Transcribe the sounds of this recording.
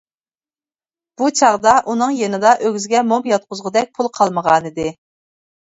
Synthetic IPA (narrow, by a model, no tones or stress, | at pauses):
b̥ut͡ʃʰɑʁd̪ɑʔunɨŋjenɨd̪ɑʔøɡʲzɪɡʲɛmomjɑt̪̚qʰʊzʁəd̪ɛk̚ʲpʰulˠqʰɑlˠməʁɑnɨd̪ɪ